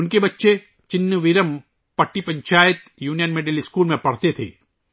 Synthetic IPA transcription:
ʊnkebɐtːʃe | t͡ʃɪnːəʋɪɾəm | pɐʈːipɐ̃ɲt͡ʃaːjɪt̪juːnijənmeɖeliskuːlmẽpɐɽ̤t̪et̪ʰḛː

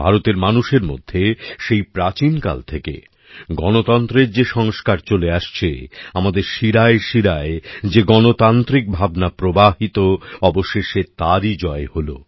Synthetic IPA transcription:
bʱaɾot̪eɾmanuʃeɾmo̰d̪ʱːeʃejpɾat͡ɕinka̰lt̪ʰekḛ | ɡɔnot̪ɔnt̪ɾeɾd͡ʑeʃɔŋskaɾt͡ɕoleaʃt͡ɕʰḛamad̪eɾʃiɾaeʃiɾaed͡ʑeɡɔnot̪ant̪ɾik̚bʱabnapɾobaɦit̪oɔboʃeʃet̪aɾid͡ʑɔeholo̰

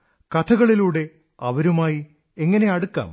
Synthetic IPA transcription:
kɐt̪ʰɐɣɐɭiluːɽe̞ | ɐʋɐɾumaːji | eŋːɐne̞ɐɽukːa̰ːm

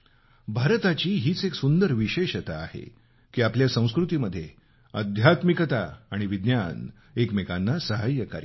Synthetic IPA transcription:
bʱaɾt̪at͡ɕiːɦiːt͡seksund̪əɾʋiɕeɕət̪aːhḛ | kiːapljasə̃w̃skɾut̪iːməd̪ʱːje | əd̪ʱjat̪mikət̪aːɽ̃iʋid̪njan | ekmekanːasəɦəjːəka̰ɾi

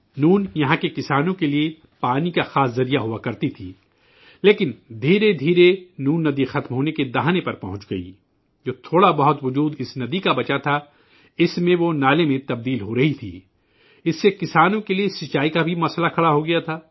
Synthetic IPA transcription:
nuːnjɐɦãkekɪsaːnõkelie | paːnikaxaːszɐɾijaɦuakɐɾt̪it̪ʰiː | leːkɪnd̪ʱiːɾed̪ʱiːɾenuːnːɐd̪ixɐt̪mɦoːneked̪ɐɦaːnepɐɾpɐɦʊ̃t͡ʃɡɐḭ | d͡ʒoːt̪ʰoːɽabɐɦʊt̪ʋʊd͡ʒuːd̪ɪsnɐd̪ikabɐt͡ʃat̪ʰa | ɪsmẽʋonaːlemẽt̪ɐb̚d̪iːlɦoɾɐɦit̪ʰḭː | ɪsːekɪsaːnõkeliesɪt͡ʃaːikabʱimɐslakʰɐɽaɦoɡɐjat̪ʰaː

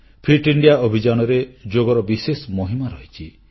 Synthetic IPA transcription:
pʰiʈiɳɖijaobʱid͡ʒañɔɾed͡ʒoɡɔɾɔbisesɔmoɦimaɾɔɦit͡ʃʰi

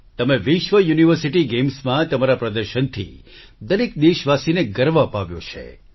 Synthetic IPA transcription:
t̪əmeʋɪʃʋəjuniʋəɾsiʈiɡemsmãt̪əmaɾapɾəd̪əɾʃənt̪ʰḭ | d̪əlik̚d̪eʃʋasineɡəɾʋapaʋjo̰t͡ʃʰḛ

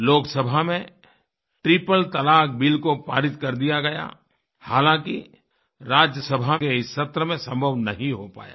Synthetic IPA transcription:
loːksəbʱamẽ | ʈɾɪpəlt̪ɐlaːk̚bilkopa̰ːɾɪt̪̚kɐɾd̪ijaɡɐja̰ | haːlãkḭ | ɾaːd͡ʒjəsəbʱakeɪsːɐt̪ɾəmẽsɐ̃mbʱəʋnɐɦĩɦopa̰ːja̰ː

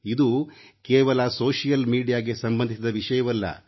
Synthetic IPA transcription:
id̪ukeːʋɐlɐsoːʂijɐlmiːɖijaːɡe̞sɐmbɐnd̪isid̪ɐʋiʂɐjɐʋɐlːɐ̰

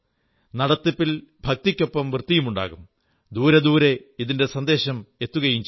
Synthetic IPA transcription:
nɐɽɐt̪ːipːilbʱɐk̚t̪ikʲːo̞pːɐmʋrt̪ːijumuɳɖa̰ːɣum | d̪uːɾɐd̪uːɾe̞iðinde̞sɐnd̪e̞ːɕɐme̞t̪ːuɣɐjiɲt͡ɕ

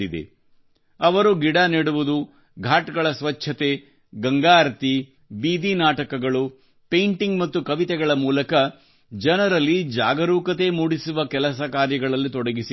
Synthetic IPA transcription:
id̪ḛ | ɐʋɐɾuɡiɽaniɽuʋud̪u | ɡʱaːʈɡɐɭɐsʋɐt͡ʃːʰɐt̪e̞ | ɡɐŋɡaːɾɐt̪i | biːd̪inaːʈɐkɐɡɐɭu | pejɳʈiŋɡmɐt̪ːukɐʋit̪ɛɡɐɭɐmuːlɐkɐ | d͡ʒɐnɐɾɐlːid͡ʒaːɡɐɾuːkɐt̪e̞muːɽisuʋɐkɛlɐsɐkaːɾjɐɡɐɭɐlːit̪ɔɽɐɡisi

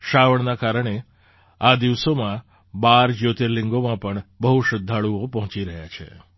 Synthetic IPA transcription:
ʃaʋəɳnakaɾəɳ̃e | ad̪iʋsomã | baɾd͡ʒjot̪eɾlɪ̃ŋɡomãpəɳbəɦuʃəd̪ʱːaɭuopɔɦɔ̃t͡ʃiɾəɦja̰t͡ʃʰḛ

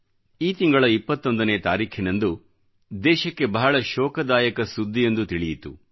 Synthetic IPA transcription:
iːt̪iŋɡɐɭɐipːɐt̪ːo̞nd̪ɐneːt̪aːɾiːkʰinɐnd̪u | d̪ɛːʃɐkːe̞bɐɦɐɭɐʃɔːkɐd̪aːjɐkɐsud̪ʱːijend̪ut̪iɭijit̪ṵ

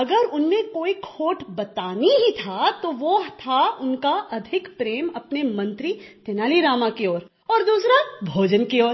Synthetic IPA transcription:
ɐɡəɾʊnmẽkoːikʰoːʈbɐt̪aːniɦit̪ʰat̪oʋoɦt̪ʰaʊnkaɐd̪ʱɪkpɾeːmɐpnemɐ̃nt̪ɾit̪enaːliɾaːmakeoːɾ | ɔːɾd̪uːsɾabʱoːd͡ʒənkeoːɾ

